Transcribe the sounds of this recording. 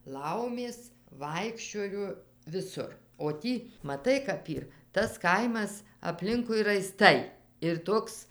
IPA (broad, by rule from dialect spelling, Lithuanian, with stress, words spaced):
ˈlˠɐʊmʲeːs ˈʋɐɪkʃʲt͡ʃʲoːjoː ʋʲɪˈsʊr oː ˈtʲiː mɐˈtɐɪ kɐp ˈiːr tɐs ˈkɐɪmɐs ɐpʲˈlʲɪŋkʊɪ rɐɪˈstɐɪ ɪr ˈtoːks